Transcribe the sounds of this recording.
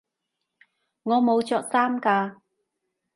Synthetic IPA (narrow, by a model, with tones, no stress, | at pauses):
ŋɔː˨˧mo˨˧wt͡ʃɔː˨k̚saː˥mkaː˧